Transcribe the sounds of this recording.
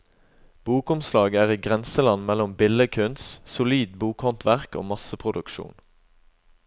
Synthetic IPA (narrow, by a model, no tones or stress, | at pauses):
b̥uːkʊmslɑːɡəæːʁiːɡʁɛnsəlɑnmɛlɔmbɪləkʰʉnssʊliːd̪buːkhɔnt̪ʰʋæʁko̰ːmɑsəpʰʁʊd̪ʉkʃṵːn